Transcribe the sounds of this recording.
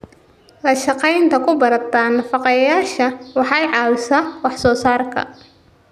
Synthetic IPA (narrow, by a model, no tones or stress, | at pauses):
lɐʃɑqɛjnt̪ʰɐkʰʊbɐɾɐt̪ʰaːnːɐfɑqɑjɐjaːʃɐwɑħɑjʕɑːwɪsaːwɑħsɔːsaːrkʰɐ̰